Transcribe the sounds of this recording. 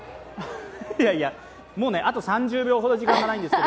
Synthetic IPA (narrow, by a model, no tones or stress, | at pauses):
jaia | mo̞ːne̞ʔat̪o̞sãɲd͡ʑɨːbʲo̞ːɦo̞d̪o̞ʑikãŋɡanaĩnd̪eske